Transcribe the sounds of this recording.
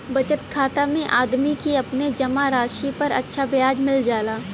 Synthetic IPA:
bɐt͡ʃət̪kʰaːt̪amẽʔaːd̪mikiɐpned͡ʒɐmaɾaːʃipɐɾɐ̰tːʃʰabjaːd͡ʒmɪld͡ʒaːlaː

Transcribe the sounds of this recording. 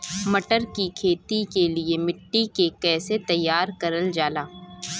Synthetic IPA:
mɐʈəɾkikʰeːt̪ikeliemɪʈːikekɛːset̪ɐjːaːɾkɐɾəld͡ʒaːlaː

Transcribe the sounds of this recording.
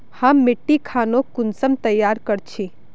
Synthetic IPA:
həmːɪʈːikʰaːnokʊnsəmt̪əjːaːɾkəɾt͡ʃʰi

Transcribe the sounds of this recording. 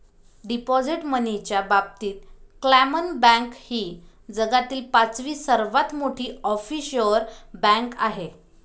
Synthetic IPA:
ɖipɔd͡ziʈmənit͡ɕjabab̚t̪iːt̪̚klæmənbɛ̃ŋkhiː | d͡zəɡat̪iːlpat͡sʋiːsəɾʋat̪moʈʰiːɔfiɕəɾbæ̃ŋkaɦe

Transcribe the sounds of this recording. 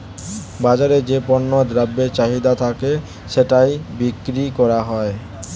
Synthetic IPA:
bad͡ʑaɾed͡ʑepɔnːod̪ɾabːet͡ɕaɦid̪at̪ʰake | ʃeʈajbikːɾikɔɾaɦɔe

